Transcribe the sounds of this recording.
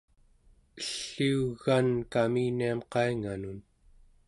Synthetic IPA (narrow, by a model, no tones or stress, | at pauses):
əɬːiuɣankamiːniamqɑiŋanun